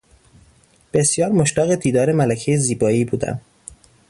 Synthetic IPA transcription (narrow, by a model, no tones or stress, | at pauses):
b̥e̞sjɒːɾmoʃt̪æːɣed̪iːd̪ɒːɾe̞mælæcʰejeziːbɒːiːbuːd̪æ̰m